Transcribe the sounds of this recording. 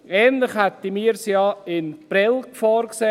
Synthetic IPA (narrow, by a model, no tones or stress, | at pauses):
ɛːnlɪχhɛt̪imiːɾsjɑːɪnb̥ɾɪlkfɑːɾkse